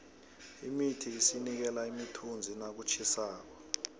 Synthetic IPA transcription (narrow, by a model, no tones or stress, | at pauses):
imitʰiːsinik̬ɛlaimitʰund͡zʱinak̬ut͡ʃʰisaːk̬ɔ